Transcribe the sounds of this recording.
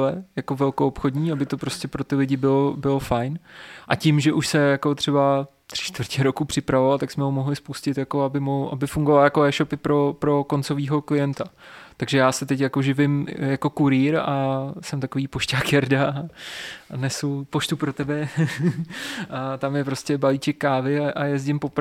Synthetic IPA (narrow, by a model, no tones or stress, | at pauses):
lɛjako̞vɛlkoopxo̞dɲiːabɪt̪o̞pɾoscʲɛpɾo̞t̪ɪlɪɟɪbɪlobɪlofajnʔa̰cɪmʒɛʔuʃsɛjako̞t̪r̥ɛba | t̪r̥ɪ̥ʃt̪vrcɛɾo̞kupr̥ɪpɾavovalt̪aksmɛɦomo̞ɦlɪspuscɪt̪jako̞abɪmoʔa̰bɪfuŋɡovaljakoɛːʃo̞pɪpɾo̞pɾo̞ko̞nt͡so̞viːɦo̞klɪjɛnt̪at̪aɡʒɛjaːsɛt̪ɛcjakoʒɪvɪmjako̞kuɾiːɾasɛmt̪akoviːpo̞ʃcaːkjɛɾda | anɛsupo̞ʃt̪upɾo̞t̪ɛbɛ | ʔat̪amjɛpɾo̞scɛbalit͡ʃɛkːaːvɪaʔajɛzɟɪmpo̞p